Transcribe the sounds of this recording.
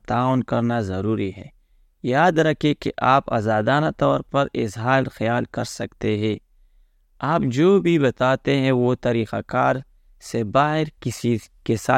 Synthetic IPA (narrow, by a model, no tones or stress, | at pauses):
t̪aːʊnkɐɾnazɐɾuːɾiɦɛː | jaːd̪ɾɐkʰekḛʔaːpa̰ːzaːd̪aːnat̪ɔːɾpɐɾɪ̰zɦaːlxɐjaːlkɐɾsɐkt̪eɦɛ̃ː | aːpd͡ʒoːbʱibɐt̪aːt̪eɦɛ̃ʋot̪ɐɾiːqakaːɾ | sebaːɦɪɾɪikesaː